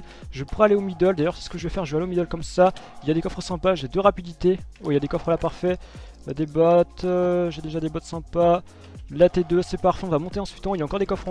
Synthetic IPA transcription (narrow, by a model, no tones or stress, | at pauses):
ʒəpuʁɛaleomid̪œld̪ajœʁsɛ̥sə̥kəʒəvɛfɛʁʒəvɛaleomid̪œlkɔmsailjad̪ekɔfχəsɛ̃paʒed̪øʁapid̪it̪eoiljad̪ekɔfχəlapaʁfɛ | d̪ebɔt̪ʒed̪eʒad̪ebɔt̪sɛ̃pa | lat̪ed̪øsɛpaʁfɛ̃ɔ̃vamɔ̃t̪eɑ̃sɥi̥t̪ɔ̃iljaɑ̃kɔʁd̪ekɔfχ